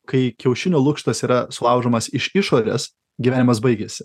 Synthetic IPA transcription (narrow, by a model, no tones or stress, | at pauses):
kɐɪkʲɛʊʃʲɪnʲoːlˠʊkʃt̪ɐsiːɾɐsʊlˠɐˑʊʒoːmɐsɪʃɪʃoːɾʲes | ɡʲiʋʲæːnʲɪmɐs̬bɐɪɡʲeːsʲɪ̥